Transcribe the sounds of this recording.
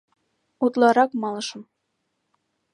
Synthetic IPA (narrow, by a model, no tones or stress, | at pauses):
ut̪lɑɾɑkmɑlɤ̆ʃɤ̆m